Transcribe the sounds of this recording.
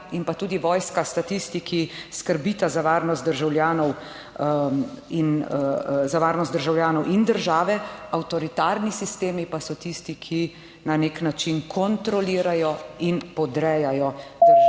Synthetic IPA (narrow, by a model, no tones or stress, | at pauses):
impat̪uːd̪iʋɔːjskast̪at̪ist̪ikʰiskəɾbiːt̪azaʋaːɾnɔst̪d̪əɾʒawljaːnɔw | in | zaʋaːɾnɔst̪d̪əɾʒawljaːnɔwʔind̪əɾʒaːʋɛawt̪ɔɾit̪aːɾnisist̪eːmipasɔt̪ist̪ikʰi | naneknat͡ʃinkʰɔnt̪ɾɔliːɾajɔinpɔd̪ɾɛːjajɔd̪